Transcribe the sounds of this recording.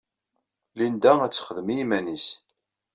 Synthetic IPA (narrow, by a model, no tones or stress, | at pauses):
lind̪ææt͡sːχəðəmiimænis